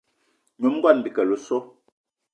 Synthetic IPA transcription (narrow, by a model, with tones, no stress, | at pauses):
ɲu˨˦m˦ɡɔ˦˨n˨bi˨kɛ˨lo˨so˦